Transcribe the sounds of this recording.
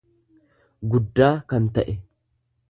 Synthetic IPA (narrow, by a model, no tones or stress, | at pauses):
ɡʊd̪ːaːkɐnt̪ɐʔɛ